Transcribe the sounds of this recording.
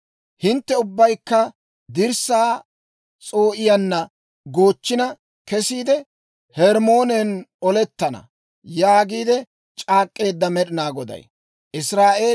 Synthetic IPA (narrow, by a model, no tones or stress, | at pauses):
hɪnt̪ːɛʊbːɐjkːɐ | d̪ɪɾsaː | t͡sʼo̞ːʔɪjɐnːɐ | ɡo̞ːt͡ʃːɪnɐ | kɛsiːd̪ɛ | hɛɾmo̞ːnɛnɔlɛt̪ːɐnɐ̰ | jaːɡiːd̪ɛ | t͡ʃʼaːkʼːe̞ːd̪ːɐmɛɗɪnaːɡɔd̪ɐ̰j | ʔɪsɾaːʔe̞ː